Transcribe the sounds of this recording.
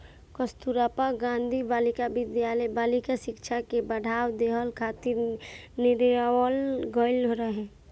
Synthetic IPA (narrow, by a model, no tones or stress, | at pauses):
kəst̪uɾapaɡãnd̪ʱibalikabɪd̪jalbaːlikasɪkt͡ʃʰakebəɽ̤ʱaːwd̪eɦəlkʰaːt̪ɪɾnɪɾwəlɡɔɪlɦoɾəɦɛ̃